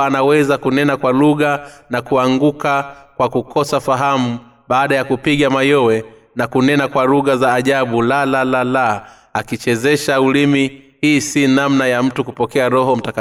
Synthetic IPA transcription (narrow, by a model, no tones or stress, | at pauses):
anawɛzakunɛnakwaluɣanakuaŋɡukakwakukʰɔsafaɦamu | ɓaːɗajakupiɠamajɔwɛ | nakunɛnakwaluɣazaːʄaɓulalalala | akit͡ʃɛzɛʃaulimihiːsinamnajam̩tukupɔkɛaɾɔɦɔm̩taka